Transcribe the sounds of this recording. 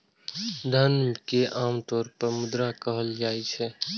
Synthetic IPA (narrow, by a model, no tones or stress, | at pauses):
d̪ʱənkeʔaːmt̪ɔːɾpəɾmʊd̪ɾakəɦəld͡ʒaːit͡ʃʰɛ